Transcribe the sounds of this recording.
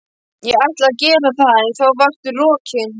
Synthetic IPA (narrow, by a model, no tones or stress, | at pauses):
jɛɣajht̪laðcɛːɾaθaðɛθowvœxt̪ʏrɔːcʰɪn